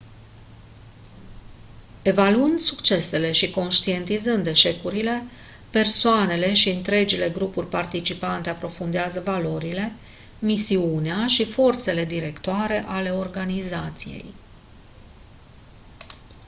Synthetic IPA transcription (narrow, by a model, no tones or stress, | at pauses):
e̞valuɨnd̪sukt͡ʃe̞se̞le̞ʃiko̞nʃt̪ie̞nt̪izɨnd̪e̞ʃe̞kuɾile̞ | pe̞rsoane̞le̞ʃiɨnt̪ɾe̞d͡ʒile̞ɡɾupurʲpart̪it͡ʃipant̪eapɾo̞fund̪eazəvalo̞ɾile̞ | misiuneaʃifo̞rt̪se̞le̞d̪iɾe̞kt̪oaɾe̞ʔale̞o̞rɡanizat̪sije̞̰j